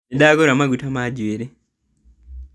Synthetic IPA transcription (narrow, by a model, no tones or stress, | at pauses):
edaːɡoɾamaɡutamaɟweɾe